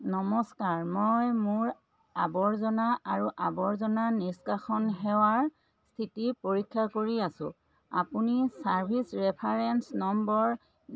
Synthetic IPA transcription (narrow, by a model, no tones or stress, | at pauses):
nɔmɔskaɹmɔjmʊɹ | abɔɹzɔnaaɹuʔabɔɹzɔnaniskaxɔnɦɛwaɹ | st̪ʰitipoɹikʰːakoɹiasʊ̰̃ | a̰punisaɹbʱisɹɛpʰaɹɛnsnɔmbɔɹ